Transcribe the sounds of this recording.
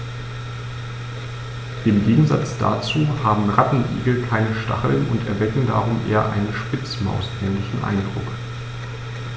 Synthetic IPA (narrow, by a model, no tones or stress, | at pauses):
ɪmɡeːɡŋ̩za̰t͡sd̥a̰t͡suːhaːbm̩ʁatn̩ʔḭːɡl̩kʰaɪnəʃta̰χl̩nʔʊntɛɐvɛkŋ̩da̰ːʁʊmʔḛːɐʔa̰ɪnənʃpɪt͡sma̰ʊsnɛːnlɪçn̩ʔa̰ɪndʁʊ̰k